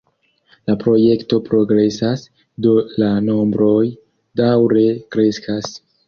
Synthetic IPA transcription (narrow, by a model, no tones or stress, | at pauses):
lapɾo̞je̞kto̞pɾo̞ɡɾe̞sas | do̞lano̞mbɾo̞j | dawɾe̞kɾe̞skʰas